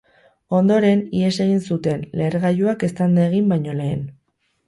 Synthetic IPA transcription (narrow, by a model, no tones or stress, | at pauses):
o̞nd̪o̞ɾe̞nie̞se̞ɣ̞insut̪e̞nle̞ɾɣajuake̞st̪and̪aeɣ̞imbajɲo̞le̞ːn